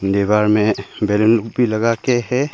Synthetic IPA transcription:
nd̪ebaːɾmẽbeːlənbʱilɐɡakeɦɛ

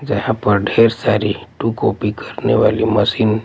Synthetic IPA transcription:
d͡ʒɐɦãpɐɾɖʱeːɾsaːɾiʈukɔːpikɐɾneʋa̰ːlimɐsiːn

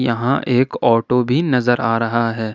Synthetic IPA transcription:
jɐɦãʔeːkɔːʈobʱinɐzəɾaːɾɐɦaɦɛː

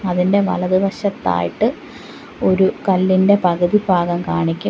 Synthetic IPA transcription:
ɐðinde̞ʋɐ̰lɐðibɐɕɐt̪ːa̰ːjiʈːɨ | o̞ɾukɐlːinde̞pɐɣɐðibʱaːɡɐmkaːɳikʲːu

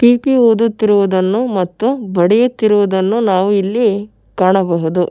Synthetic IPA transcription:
piːpioːd̪ut̪ːiɾuʋud̪ɐnːumɐt̪ːubɐɽɛjut̪ːiɾuʋud̪ɐnːunaːʋuilːi | kaːɳɐbɐɦud̪u

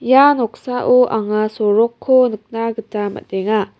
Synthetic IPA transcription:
janɔk̚saʔuʔaŋasɔɾɔkʰːonɯk̚naɡɯtama̰t̚deŋa

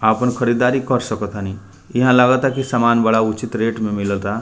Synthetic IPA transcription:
aːpənkʰəɾid̪aːɾikəɾsəkət̪ani | iɦãlaːɡət̪akisamaːnbəɽaut͡ʃit̪ɾeːʈmẽmɪləlt̪a

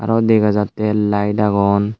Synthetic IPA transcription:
a̰ɾɔd̪eɡazatːɛlajdaɡɔn

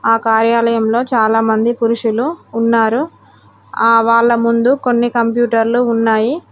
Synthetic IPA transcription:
aːkaːɾjaːlɐjɐmlo̞ːt͡ʃaːlaːmɐnd̪ipuɾuʂuluːnːaːɾu | aːʋaːɭːɐmund̪uko̞nːikɐmpjuːʈɐɾluːnːaːji

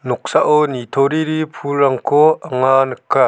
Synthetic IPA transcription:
nɔk̚saʔɔnit̪ʰɔɾiɾipʰulɾɐŋkʰɔaŋanka

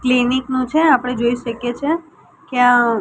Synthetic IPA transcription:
kliniknũt͡ʃʰeapəɽ̃ed͡ʒoiʃəkjet͡ʃʰe | kea

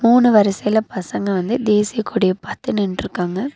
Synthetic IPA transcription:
muːnɯʋɐɾɐsɐjlɐpɐsɐŋɡɐʋɐnd̪ɯd̪eːsɪjɐkuːɽɪjɐpɐt̪ːɯnɪɳɖɾɯkːaːŋɡɐ

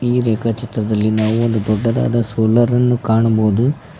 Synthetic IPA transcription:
iːɾɛːkɐt͡ʃit̪ɾɐd̪ɐlːinaːʋuond̪ud̪ɔɖːɐd̪a̰ːd̪ɐsoːlɐɾɐnːukaːɳubo̞ːd̪u

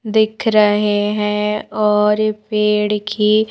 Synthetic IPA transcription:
d̪ɪkʰɾəɦeɦɛ̃ːɔːɾpeːɽkʰiː

